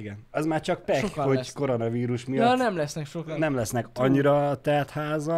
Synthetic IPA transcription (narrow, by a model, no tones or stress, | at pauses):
iɡɛnɒzmaːrt͡ʃɒk̚pɛohoko̞ɾo̞nɒviːɾuʃmijɒnɛmlɛsnɛkʃoknɛmlɛsnɛkɒɲːiɾɒt̪ɛrt̪haːzɒ